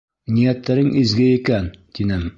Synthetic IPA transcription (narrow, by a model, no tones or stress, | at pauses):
nijæt̪ːæɾɘŋʔizɡɘikænt̪inɘm